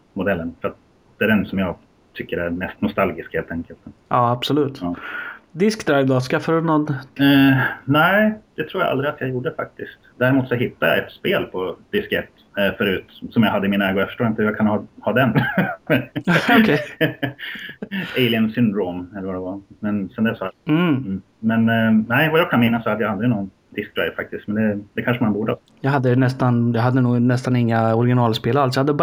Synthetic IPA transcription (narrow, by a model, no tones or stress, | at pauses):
mʊd̪ɛlːənfœɾat̪̚ | d̪̥ɛæɾɛnsɔmjɑːɡ | t̪ʰʏkːəɾæɾmɛst̪nʊst̪alɡɪskheːlt̪ʰɛŋkəlt̪ʔɑːabsɔlʉ̟ːt̪ɑd̪ɪskd̪ɾajvd̪ɑskafaɾɵnɔnː | næɪd̪̥ɛt̪ʰɾuːɾja̰ʔa̰ld̪ɾɪat̪jɑjuːɖəfa̰k̚t̪ɪskt̪d̪æːɾɪmuːt̪sɔɦɪt̪ʰːajɑ̰ɛt̪speːlpʰɔd̪̥ɪskɛt̪ | fœɾʉ̟ːt̪sɔmjɑɦad̪ːəɪminaɛːɡɔjafœ̥ʂʈoːɾaɪnt̪əjaɡkʰanhɑːhɑːd̪ɛn | ɔkʰɛ | ɛɪlɪənsʏnd̪ɾoːmɛlːəɾvad̪ɛvamɛnsɛnd̪ɛsɔm̩ːm̩ː | mɛnnɛɪvajɑːkʰanmɪnːasːɔhad̪ːəjaald̪ɾɪnɔɡn | d̪ɪsk̪̚ɾɛ̰jfa̰k̚t̪ɪskt̪mɛnd̪ɛd̪ɛkʰanʂəmanbuːɖə | jɑɦad̪ːənɛst̪anjɑɦad̪ːənuːɡnɛst̪anɪŋːaɔɾɪɡɪnɑːlspeːlals̬ɔjɑhad̪ːəb